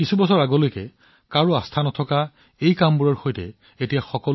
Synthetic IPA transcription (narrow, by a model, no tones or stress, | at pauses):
kisubɔsɔɹaɡɔlojkɛ̰ | kaɹuastʰanɔtʰɔka | ejkambuɹɔɹxojtɛ̰ | etijaxɔkɔl